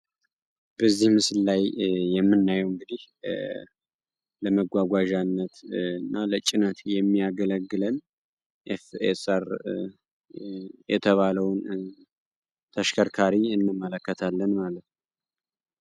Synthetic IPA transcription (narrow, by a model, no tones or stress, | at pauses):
b̥əzːihmɨsɨllajːɛmːɨnːajəwɨŋɡɨd̪ih | ləməɡʷaɡʷaʒanːət̪ɨnːalət͡ʃʼɪnət̪jɛmːijaɡələɡːɨlən | ʔefesəɾ | jɛt̪ʰəβaləwn | t̪ʰəʃkʰəɾkʰaɾiɨnːɨmːələkːət̪ʰalːənmalət̪n